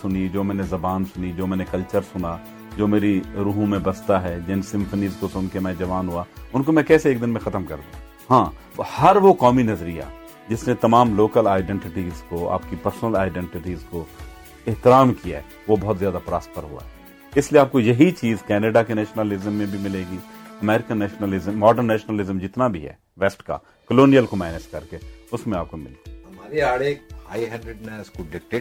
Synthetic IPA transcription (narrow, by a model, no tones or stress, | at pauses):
sʊnid͡ʒoːmɛ̃ːnezɐbaːnsʊnid͡ʒoːmɛ̃ːnekɐlt͡ʃəɾsʊna | d͡ʒoːmeːɾiɾuːɦũmẽbɐst̪aɦɛːd͡ʒɪnsɪ̃mfʰəniːzkosʊnkemɛ̃ːd͡ʒɐʋaːnɦuaʊnkomɛ̃kɛːseeːk̚d̪ɪnmẽxɐt̪əmkɐ̰ɾd̪iṵ̃ | ɦãː | hɐɾʋokaːminɐzɾija̰ | d͡ʒɪsnet̪ɐmaːmloːkəlaːɪɖɛ̃ɳʈɪʈiːzkoa̰ːpkipɐɾsnəlaːɪɖɛ̃ɳʈɪʈiːzko | ɪɦt̪ɪɾaːmkija̰ɛ | ʋobɔɦʊt̪zjaːd̪apɾaːspəɾɦʊ̰a̰ɦɛ | ɪslieaːp̚kojɐɦit͡ʃiːzkɛːneɖakenɛːʃnəlɪzəmːẽbʱimɪleːɡiːɐmɛːɾɪkənːɛːʃnəlɪzəmːɔːɖəɾnːɛːʃnəlɪzəmd͡ʒɪt̪nabʱiɦɛ̰ː | ʋɛːsʈka̰ | kəloːnijəlkomɛːnɪʃkɐɾkeʊsmẽaːp̚komɪ̰leɡiɦɐmaːɾiaːɽeːhaːiɦɛ̃ɳɖɾeɖnɛːskoɖɪk̚ʈeː